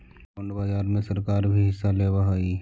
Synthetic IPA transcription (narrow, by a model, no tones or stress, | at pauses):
oɳɖbaːd͡ʒaːɾmẽsɐɾkaːɾbʱiɦɪsːaleːbaɦaiː